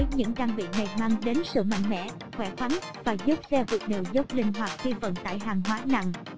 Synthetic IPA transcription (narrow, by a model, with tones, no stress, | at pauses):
vəː˨˦jɲɨ̰˧˥ŋɗaː˧ŋɓḭ˧˨na˨˩jmaː˧ŋɗe˨˦nsɨ̰˧˨ma̰˧˨jŋ̟mɛ̰˧˥ | xwɛ˧˩xwa˨˦nvaː˨˩zu˦˥p̚sɛ˧vɨ˨˩ək̚ne˨˩wzə˦˥p̚lï˧˩ŋ̟ɦwaː˨˩t̚xi˧və̰˧˨nt̪a̰ː˧˨jɦaː˨˩ŋɦwaː˨˦na̰˧˨ŋ